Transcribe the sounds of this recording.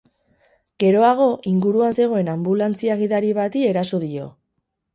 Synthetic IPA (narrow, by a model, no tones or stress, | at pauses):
ɡ̥e̞ɾo̞aɣ̞o̞ʔiŋɡuɾuanse̞ɣ̞o̞e̞nambulant͡siaɣiðaɾiβat̪ie̞ɾaso̞ðio̞